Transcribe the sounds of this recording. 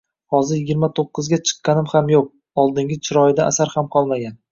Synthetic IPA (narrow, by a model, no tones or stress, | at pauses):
hɒzɪɾjɪɡʲɪɾmat̪ʰoqːɨzɡʲat͡ʃʰɨ̥qːɑnɪmhamjoq̚ | ɒlˠd̪ɪŋɡʲɪt͡ʃʰɪɾɒjɪd̪aʔa̰saɾhamqʰɒlˠmaɡʲan